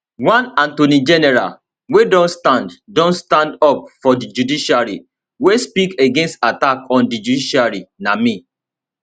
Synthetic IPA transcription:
wãnãntonid͡ʒɛnɛɹa̰l | wedɔ̃nstãnddɔ̃nstãndɔp̚fɔdid͡ʒudiʃaɹi | wespikeɡẽnstatakɔ̃ndid͡ʒudiʃaɹinamĩ

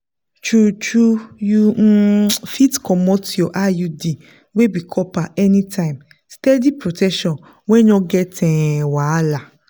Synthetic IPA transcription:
t͡ʃut͡ʃujufitkʰɔmɔ̃tiɔʔajudi | webikʰɔpaɛnĩtʰãɪ̃m | stɛdipɾotʰɛkʃɔ̃n | wɛ̃ɲɔ̃ɡɛtʰɛ̃wala

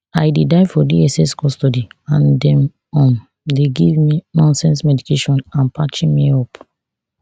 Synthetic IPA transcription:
ajdedaɪfɔdiɛsɛskɔstɔdiãndɛ̃m | ɔ̃n | deɡivminɔ̃nsɛ̃nsmɛdikeʃɔ̃nãnpʰat͡ʃĩnmiɔp

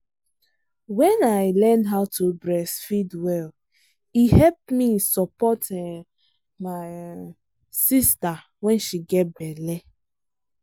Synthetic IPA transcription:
wɛ̃naɪlɛ̃ndɦatʰubɹɛsfidwɛl | ihɛlp̚misɔpɔtɛ | maɪ | sista | wɛ̃nʃiɡɛt̚bɛlɛ

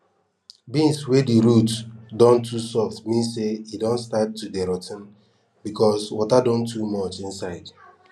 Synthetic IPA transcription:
bĩnswediɾutdɔ̃ntʰusɔftmĩnseidɔ̃nstap̚tudeɾɔtn̩ | bikɔswɔtadɔ̃ntʰːumɔt͡ʃĩnsaɪd

